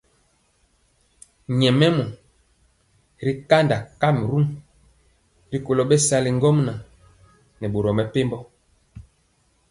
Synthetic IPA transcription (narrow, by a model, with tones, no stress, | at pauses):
ɲɛ˨mɛ˦mɔ˨ | ɾi˦ka˦nda˨ka˦˨m˨ɾu˦ŋ | ɾi˦ko˨lɔ˨ɓɛ˦sa˦li˨ŋ˦ɡɔ˦mna˨ | nɛ˨ɓo˨ɾɔ˨mɛ˨pe˦mbɔ˦